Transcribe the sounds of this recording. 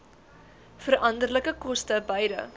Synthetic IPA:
fərʔɐndərləkəkɔstəbəjdə̰

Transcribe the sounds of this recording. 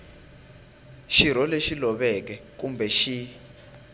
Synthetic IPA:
ʃiɾ̤ɔleʃilɔɓɛkɛkumbʱɛʃi

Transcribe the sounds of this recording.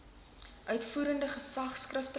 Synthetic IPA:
ʔœɥtfuːɾəndəχəsɐχskrəftə

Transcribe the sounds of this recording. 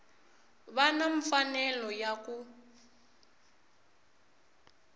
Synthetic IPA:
βanaɱfanɛlɔjakʼu

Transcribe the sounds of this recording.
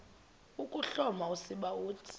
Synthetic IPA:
ukʼuɬɔmausiɓauːtʰi̥

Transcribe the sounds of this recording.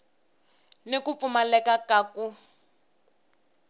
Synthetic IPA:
nekup̪fumalɛkakaku

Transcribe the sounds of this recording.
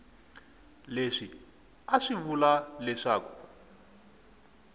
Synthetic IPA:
leʂi | aʂiβulalɛʂaːku̥

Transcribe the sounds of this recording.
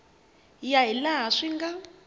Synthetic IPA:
jaɦilaʂiŋɡa

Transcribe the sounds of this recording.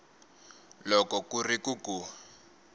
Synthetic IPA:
lɔkɔkurikuku

